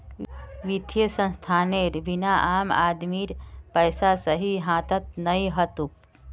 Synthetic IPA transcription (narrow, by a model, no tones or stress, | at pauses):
ʋit̪jəsə̃nst̪ʰaːneɾbinaʔaːma̰d̪miɾpəjsasəɦiɦãːt̪ət̪̚nəjɦət̪uk̚